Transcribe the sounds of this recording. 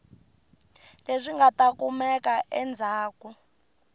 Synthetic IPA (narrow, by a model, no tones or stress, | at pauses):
lezʷiŋɡatakumɛkaʔɛnd͡zʱaːku